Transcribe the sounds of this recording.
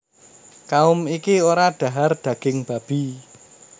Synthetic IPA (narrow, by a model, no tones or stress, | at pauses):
kaʊmikioɾaɖ̪̥a̤ɦard̪̥ä̤ɡ̥ɪŋb̥a̤b̥i̤